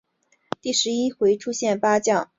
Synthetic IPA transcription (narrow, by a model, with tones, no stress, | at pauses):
t̪i˥˩ʂɻ̩˧˥i˥xwe˧˥ɪʈ͡ʂʰu˥ɕjɛ˥˩npa˥t͡ɕjɑ˥˩ŋ